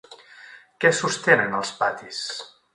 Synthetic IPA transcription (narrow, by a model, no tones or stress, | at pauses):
kɛsust̪enənəlˠspat̪is